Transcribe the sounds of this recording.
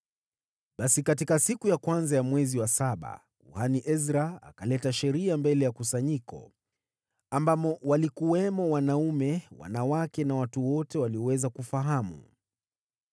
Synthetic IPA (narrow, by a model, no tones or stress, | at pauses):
ɓasikatikasikujakwanzajamwɛziwasaɓa̰ | kuhaniʔɛzɾaa̰kalɛtaʃɛɾiambɛlɛjakusaɲikɔ̰ | ambapɔwalikuwɛmɔwanaumɛwa̰nawakɛnawatuwɔtɛwaliɔwɛzakufaɦamṵ